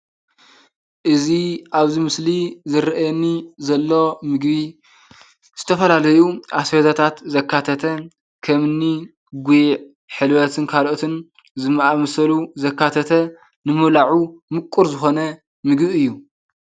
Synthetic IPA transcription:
ʔɨziʔaβzimɨslizɨɾɐʔjɛnːizɐlːo̞mɨɡβi | z̥ɨt̪ʰɐfɐlalɐjuʔasɐzat̪ʰat̪zɐkːat̪ʰɐt̪ʰɐ | kʰɐmɨnːi | ɡujʕ | ħɨlwɐt̪ʰɨnkʰalʔot̪ʰɨn | zɨmːaʔamɐsɐluzɐkːat̪ʰɐt̪ʰɐ | nɨmɨβlaʕumɨkʼːuɾzɨxo̞nɐ | mɨɡbiɨjːu

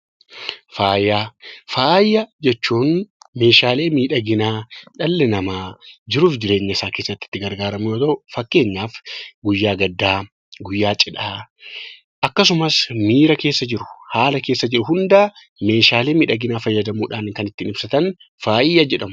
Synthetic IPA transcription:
faːjːaːfaːjːɐd͡ʒɛt͡ʃːuːnme̞ːʃaːle̞ːmiːᶑɐɡɪnaːᶑɐlːɛnɐmaːd͡ʒɪɾuːfd͡ʒɪɾe̞ːɲːɐɪsaːke̞ːsːɐt̪ːɪ̥t̪ːɪɡɐɾɡaːɾɐmɪjoːt̪ɐʊfɐkːe̞ːɲːaːfɡʊjːaːɡɐd̪ːaː | ɡʊjːaːt͡ʃʼɪᶑaː | ʔɐkːɐsʊmɐsmiːɾɐke̞ːsːɐd͡ʒɪɾʊ̥haːlɐke̞ːsːɐd͡ʒɪɾʊɦʊnd̪aː | me̞ːʃaːle̞ːmiːᶑɐɡɪnaːfɐjːɐd̪ɐmuːᶑaːnkɐnɪt̪ːiːnɪbsɐt̪ɐn | faːjːɐd͡ʒɛᶑɐmʊ

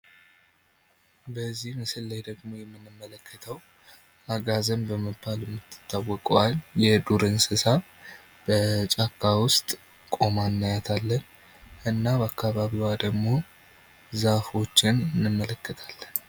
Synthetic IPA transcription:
bəzːihmɨsɨlːajd̪əɡmo̞jɛmːɨnːɨmːələkʰːət̪ʰəw | aɡazəmbəməbːaljɛmːɨt̪ʰːɨ̥t̪ʰːawːɔkʼaljɛd̪uɾɨnsɨsaβ | b̥ət͡ʃʼakʰːawʊst̪ʼ | kʼo̞manːajat̪ʰalːən | ʔɨnːabəakʰːaβaβiwad̪əɡmo̞ | zafo̞t͡ʃːɪnɨnːɨmːələkːət̪ʰalːən

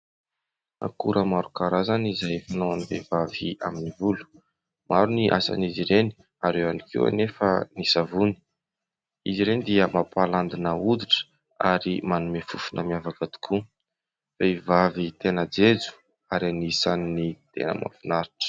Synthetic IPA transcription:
a̰kuɾʔəmaɾukaɾazanizajfanoanivevaviaminivulu̥ | maɾuniʔa̰sa̰niziɾeni | aɾewanikḭwa̰nefə̰nisavuni̥ | iziɾenid̪iəmapaland̪inəud̪iʈ͡ʂə̥ | a̰ɾimanumefufunʔəmiavakət̪u̥kʰu | faivavit̪enəd͡zed͡zu̥ | aɾianisaninit̪ḛnə̰ma̰finaɾiʈ͡ʂə̥

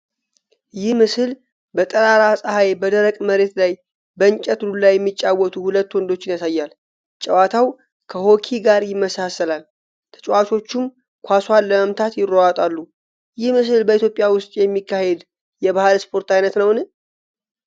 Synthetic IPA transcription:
jɪhmɨsɨl | bət̪ʼəɾaɾasʼəhajbəd̪əɾəkʼməɾe̞t̪laj | bəɨnt͡ʃʼət̪lulajːɛmːit͡ʃʼːawːɔt̪ʰuhulət̪ːwɔnd̪o̞t͡ʃːɪnjasajːal | t͡ʃʼəwat̪ʰaw | kʰəho̞kʰiɡaɾjɪmːəsasəlal | t̪ʰə̥t͡ʃʼwat͡ʃo̞t͡ʃːɪm | kʷʰaswanːəməmt̪ʰat̪jɪrːowat̪ʼalːu | jɪhmɨs̬ɨlbəit̪ʰjo̞pʼɪjawʊst̪ʼjɛmːikːahe̞d̪ | jɛβahalspʰo̞ɾt̪ajnət̪nəwnɨ

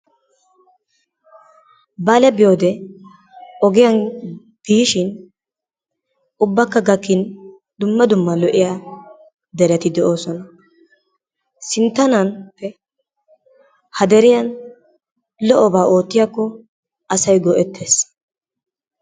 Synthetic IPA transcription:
bɐlɛbɪjoːd̪ɛ | ɔɡɪjɐn | b̥iːʃɪn | ʊbːɐkːɐɡɐkːɪn | d̪ʊmːɐd̪ʊmːɐlɔʔɪja | d̪ɛɾɛt̪ɪd̪ɛʔo̞ːsɔnɐ | sɪnt̪ːɐnɐnpːɛ | hɐd̪ɛɾɪjɐn | lɔʔɔbaːo̞ːt̪ːɪjakːɔ | ɐsɐjɡɔʔɛt̪ːeːs

